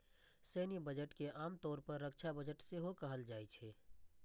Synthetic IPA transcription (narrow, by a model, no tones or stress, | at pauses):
seːnibəd͡ʒəʈkeʔaːmt̪ɔːɾpəɾːəkt͡ʃʰabəd͡ʒəʈseɦokəɦəld͡ʒaːɛt͡ʃʰɛː